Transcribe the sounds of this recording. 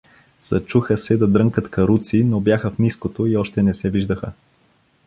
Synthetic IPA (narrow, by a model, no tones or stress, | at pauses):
z̥ɐ̰t͡ʃuxəsɛd̪ɐd̪ɾɤŋkət̪kɐɾut̪sinobjaxəfniskot̪oiɔʃt̪ɛnɛsɛviʒd̪əxə